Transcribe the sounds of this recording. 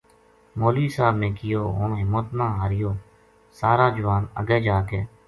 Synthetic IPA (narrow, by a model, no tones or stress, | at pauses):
moːliːsaːbnẽːkɪjoːɦʊɳɦɪmːət̪nãːɦaːɾɪjoː | saːɾaːd͡ʒʊʋaːnə̰ɡeːd͡ʒaːkeː